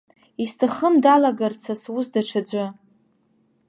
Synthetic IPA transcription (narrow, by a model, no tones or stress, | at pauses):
istʰaχəmdalaɡart͡sʰaswʊzdaʈ͡ʂʰad͡ʒʷɨ